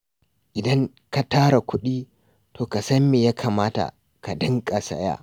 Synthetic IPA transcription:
ʔɪ˨dɐ˦ŋ | ka˨taː˦ɾa˨kʷʊ˦ɗiː˦ | toː˨ka˨sɐ˦mːi˨ja˦kʰaː˨maː˦ta̰˨ | ka˨dɨ˦ŋkʼa˨sɐ̰˦ja̰ː˦ʔ

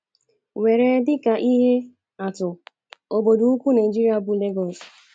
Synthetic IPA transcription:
we˨ɾe˨dɪ˦ka˨ʔi˦ɦe˦ | a˨tʊ˨ | o˨bo˨dʊ˨u˦kʷu˦na˨i˨d͡ʒi˦ɾi˦a˦bʊ˨le˦ɡɔ˨s

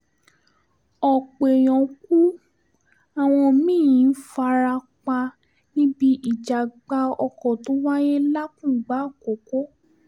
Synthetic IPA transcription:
ɔ˨k͡pe˨j̃ɔ̃˨ku˦ | a˨w̃ɔ̃˧mĩ˦˨jĩ˨˦fa˧ɾa˧ | k͡pa˧ | nĩ˦bi˦ʔi˦˨d͡ʒa˨ɡ͡ba˧˦ɔ˧kɔ˨tũ˨˦wa˦je˦la˦kũ˦˨ɡ͡ba˨˦˨ko˨ko˦

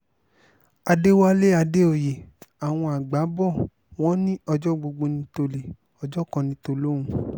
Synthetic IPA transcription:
a˧de˦wa˦le˦a˧de˦o˨je˨a˨w̃ɔ̃˧a˨ɡ͡ba˨˦bɔ˦˨ | w̃ɔ̃˦nĩ˦ɔ˧d͡ʒɔ˦ɡ͡bo˧ɡ͡bo˧nĩ˧to˧le˨ | ɔ˧d͡ʒɔ˦kɔ̃˧nĩ˧˦to˧lõ˦ũ˦

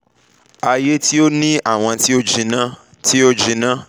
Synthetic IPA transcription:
a˨je˦ti˦o˦nĩ˦ʔa˦˨w̃ɔ̃˧ti˦o˦d͡ʒĩ˧nã˦ | ti˦o˦d͡ʒĩ˨˦nã˦

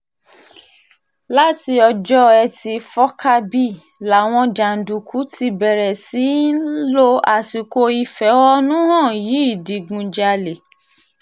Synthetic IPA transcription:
la˦ti˧ɔ˧d͡ʒɔ˦ɛ˧ti˧fɔ˦ka˦bi˦ | la˨w̃ɔ̃˧d͡ʒa˨n̩˨du˨kʰu˨˦ti˧bɛ˨ɾɛ˨si˨˦n̩˦lo˦a˨ti˨˧ko˧i˧fɛ˨˦wɔ˦nũ˦hɔ̃˦˨ji˨˦i˦˨di˨˦ɡũ˧d͡ʒa˧le˨

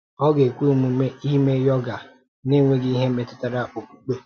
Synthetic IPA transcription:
ɔ˦ɡe˨kʷu˦u˨mu˨me˦i˦ɦi˦me˦jɔ˦ɡa˨ | ne˦˨ŋʷe˦ɡɪ˦i˦ɦe˦me˨tʊ̥˦ta˨ɾa˦ʔo˨ku˨k͡pe˦

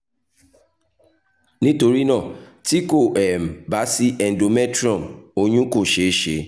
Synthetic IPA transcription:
nĩ˦to˧ɾi˦nã˦˨ | ti˦ko˦˨ɛ˨m̩˨ba˨˦si˦ʔɛ˨n̩˨do˨mɛ˦tɾɔ̃˦˨mo˧ɲ̃ũ˦ko˦˨ʃe˨˦ʃe˧˦

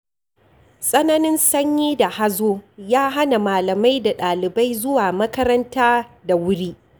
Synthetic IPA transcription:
sʼɐ˦nɐ˦nɪ˦nsɐ˦ɲjiː˦da˨ha˦zoː˦jaː˦ɦa˦na˨maː˨lɐ˨ma˦jda˨ɗaː˨lɪ˨ba˦jzʊ˦waː˨mɐ˦kɐ˦ɾɐ˦ntaː˦da˨wʊ˦ɽiː˦ʔ

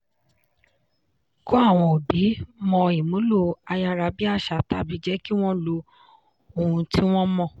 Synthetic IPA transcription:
ko˦a˦˨w̃ɔ̃˧o˨bi˨˦mɔ̃˧i˨mũ˨˦lo˦˨a˧ja˧ɾa˧bi˦a˦˨ʃa˨ta˦˨bi˨˦d͡ʒɛ˦ki˦w̃ɔ̃˦lo˧ | o˧hũ˧ti˦w̃ɔ̃˦mɔ̃˦˨

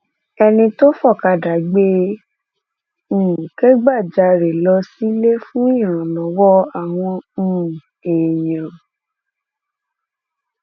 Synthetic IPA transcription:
ɛ˧nĩ˧to˦fɔ˦˨ka˧˨da˨˦ɡ͡be˧˨ | ke˦ɡ͡ba˦˨d͡ʒa˧˦ɾe˨lɔ˧˦si˦le˦fũ˦ĩ˦ã˨lɔ˨˦wɔ˦a˨w̃ɔ̃˧˦˨ | eː˨jã˨

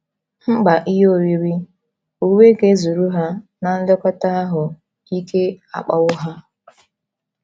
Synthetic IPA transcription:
m̩˦ɡ͡ba˨ʔi˦ɦo˦˨wi˦ɾi˦ | u˨we˦ɡe˦zu˨ɾu˦ɦa˦na˨n̩˦le˦kʷa˦ta˦a˦ɦʊ˨ | i˦ke˦a̰˨k͡pa̰˦ʊ˦ɦa˦

